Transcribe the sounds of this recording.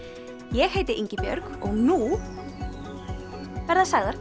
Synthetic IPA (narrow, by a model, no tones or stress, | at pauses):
jɛɣheːjt̪ɪʔeɲcɪpjœ̰ɾkɔɣnu | vɛɾðasaɣðaɾ